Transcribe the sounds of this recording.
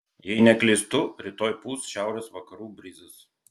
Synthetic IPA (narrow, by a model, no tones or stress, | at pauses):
jɛɪnʲɛklʲɪst̪ʊɾʲɪt̪oːjpuːsʃʲæˑʊɾʲɛsʋɐkɐɾuːbʲɾʲɪzʲɪs